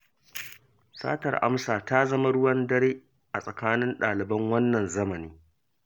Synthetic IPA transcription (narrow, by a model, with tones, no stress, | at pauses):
sa̰ː˦tɐ̰˨rʔa̰˦msaː˨ta˦zɐ˦ma˦ɽʊ˦wɐ˦ndɐ˦ɽeː˦ | ʔa˨sʼɐ˨kaː˦nɪ˦nɗaː˨lɪ˨bɐ˦ŋwɐ˦nːɐ˨nzɐ˦mɐ˨niː˦